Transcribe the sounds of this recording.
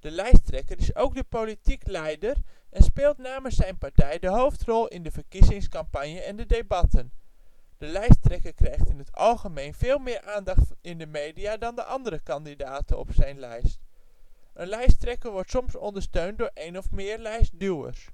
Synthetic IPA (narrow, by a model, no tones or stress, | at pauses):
d̥əlɛjstrɛkəɾɪsowɡ̚dəpolitiklɛjdərɛnspeːlˠtnaːmənsɛjnpɑɹtɛjdəɦowftrɔlˠɪndəvəɹkizɪŋskɑmpɑɲjəɛndədejbɑtʰən | d̥əlɛjstrɛkəɹkrɛjχtɪnɦətɑ̰lˠχəmejnv̥ɪːlˠmɪːɹʔaːndɑχtɪndəmejdijaːdɑndəʔɑndəɾəkɑndidaːtənɔ̰psɛjnlɛjst | ʔənlɛjstrɛkəɹʋɔɹtsɔmsɔndəɹstøɥnt̚dʊːɹʔejnɔfmɪːɹlɛjsdywə̰ɹs